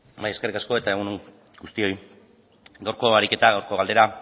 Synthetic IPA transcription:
bajekerikasko̞e̞t̪ae̞ɣ̞uneŋ | ɡust̪io̞j | ɡawɾko̞aɾike̞t̪aɣawɾko̞ɣald̪e̞ɾa

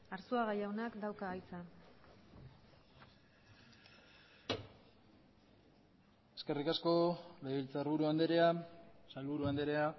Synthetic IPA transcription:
aɾsuaɣajawnakd̪awkaɣajt͡sa | e̞ske̞rikasko̞leilt͡saɾβuɾuand̪eɾeasalβuɾuand̪eɾe̞a

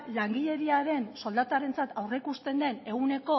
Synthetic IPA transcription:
laŋɡiʎe̞ɾiaɾe̞nso̞ld̪at̪aɾe̞nt͡sat̪awre̞kust̪e̞nd̪e̞ne̞ɣune̞ko̞

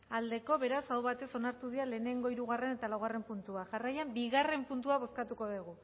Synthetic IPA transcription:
ald̪e̞ko̞βe̞ɾasawβat̪e̞so̞naɾt̪uðiale̞ːne̞ŋɡo̞iɾuɣ̞are̞ne̞t̪alawɣ̞are̞mpunt̪uaʝarajambiɣare̞mpunt̪uaβ̞o̞skat̪uko̞ðiɣ̞u

